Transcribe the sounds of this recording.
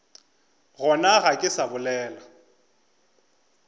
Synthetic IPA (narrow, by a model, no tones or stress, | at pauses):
ɣɔnaɣakʼɪsabʊlɛːla